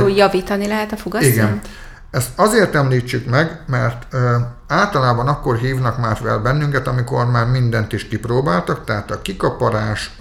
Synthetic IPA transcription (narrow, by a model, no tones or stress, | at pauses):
ujɒviːt̪ɒnilɛɦɛt̪ɒfoɡɒiɡɛn | ɛst̪ɒzeːrt̪ɛmliːt͡ʃːykmɛɡmɛrt̪aːlt̪ɒlaːbɒnɒkːo̞rɦiːvnɒkmaːrʋɛ̰lbɛnːyŋkɛt̪ɒmiko̞rmaːrmind̪ɛnt̪iʃkiproːbaːlt̪ɒkt̪ɛɦaːt̪ɒkikɒpɒɾaːʃ